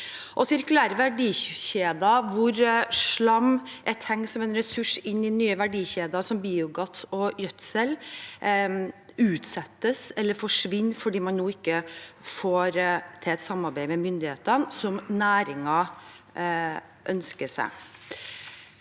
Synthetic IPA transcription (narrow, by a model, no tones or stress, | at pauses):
ʔɔsɪɾkʉlæːɾəʋæɖiːçeːd̪ɑʋʊɾʂɭɑmʔɛt̪ʰɛŋsɔmɛnɾɛsʉʂɪnːɪnyːəʋæɖiːçeːd̪ɑsɔmbiːʊɡɑt̪ːɔjœt̪sɛl | ʉːt̪sɛt̪ːəsɛlːəɾfɔʂʋɪnːfɔɖiːmɑnnuːɪkːəfoːɾt̪ʰɪɛt̪sɑmːɑɾbæɪmɛmʏnd̪ɪheːt̪ənsɔmnæːɾɪŋɑ | ʔœnskəsæ̰ɪ